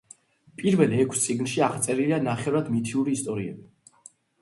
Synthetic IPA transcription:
pʼiɾvɛlɛkʷʰst̪sʼiɡnʃiaʁt̪sʼɛɾilianaχɛvɾad̪mit̪ʰiuɾiːst̪ʼɔɾiɛ̰bi

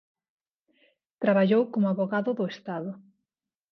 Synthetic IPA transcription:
t̪ɾaβaʎowkomʊaβoɣaðʊðʊest̪aðʊ

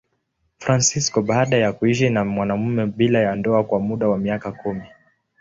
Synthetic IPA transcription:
fɾansiskɔɓaːɗajakuiʃ̬inamwanam̩mɛɓilajandɔakwamuɗawamiakakʰumi

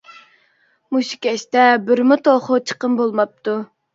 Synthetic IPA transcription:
muʃi̥kʲɛʃt̪ɛbɪɾmʊt̪ʰoχʊt͡ʃʰə̥qəmbolˠmɑp̚t̪ʰu

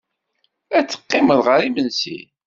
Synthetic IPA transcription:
æt͡sːə̥qːɪməðˤʁəɾimənsḭ

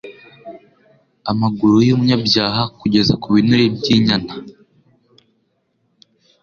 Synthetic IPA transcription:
amaɡuɾujomuɲabjaːɦakuɟe̞zakuβinuɾebɟiːɲana

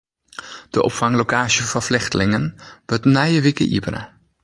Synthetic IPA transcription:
d̥əʔɔ̰pfaŋlokaːʃjəfɔflɪxtəlɪŋənʋøtnɛjəʋikə̰ʔḭbəɾə̰

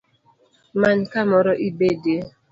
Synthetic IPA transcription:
mankamɔɾɔʔibede

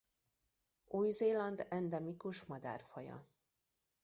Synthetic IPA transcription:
uːjzeːlɒnd̪ɛnd̪ɛmikuʃmɒd̪a̰rfɒjɒ̰

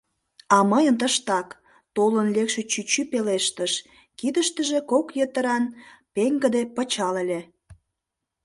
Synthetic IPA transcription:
ɑməjənt̪əʃt̪ɑk | t̪olənlekʃet͡ɕyt͡ɕypeleʃt̪əʃ | kid̪əʃt̪əʒekokjət̪əɾɑnpeŋɡəd̪epət͡ɕɑlelʲe

